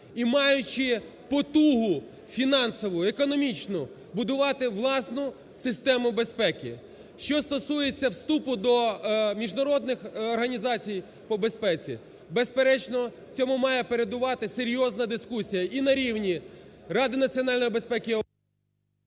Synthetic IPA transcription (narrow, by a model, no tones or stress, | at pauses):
imɑjʊt͡ʃɪpɔt̪uɦʊ | fʲinɑnsɔʋʊekɔnɔmʲit͡ʃnʊ | bʊd̪ʊʋɑt̪ɪʋlˠɑsnʊ | sɪst̪ɛmʊbe̞spɛkʲɪ̰ | ʃt͡ʃɔst̪ɔsujet͡sʲːɐwst̪upʊd̪ɔmʲiʒnɐɾɔd̪nɪxːrɦɐnʲizɑt͡sʲij | pɔbespɛt͡sʲḭ | bespeɾɛt͡ʃnɔ | t͡sʲɔmʊmɑjɛpeɾe̞d̪ʊʋɑt̪ɪseɾʲjɔznɐd̪ɪskusʲijɐʔinɐɾʲiwnʲirɑd̪ɪnɐt͡sʲiɔnɑlʲnɔjibe̞spɛkʲɪ